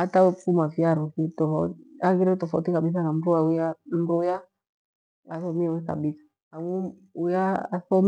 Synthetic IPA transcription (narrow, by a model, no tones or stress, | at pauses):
atawɛfumafjaɾukitɔfaaɡiɾɛtɔfautikaɓiθ̬anamɾuaujamɾuja | aθɔmiɛwɛka̰ɓisḁ | aŋu | ujaasɔm